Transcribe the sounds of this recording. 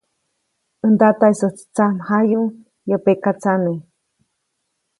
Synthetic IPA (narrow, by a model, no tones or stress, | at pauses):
ənd̪at̪aisot͡st͡samhaju | jopekat͡sane